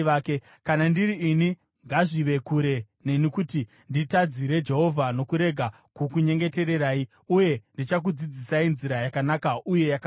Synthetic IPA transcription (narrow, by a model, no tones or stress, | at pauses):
ake | kanandiɾiːni | ŋɡaʐiʋe̞kuɾe̞ | ne̞nikuti | nditad͡ziɾe̞d͡ʒe̞ɦo̞vʱano̞kuɾe̞ɡʱa | kukuɲe̞ŋɡe̞te̞ɾe̞ɾaːi | uje̞ndit͡ʃak̬ud͡zid͡zisainziɾajakanakaʔuje̞jaka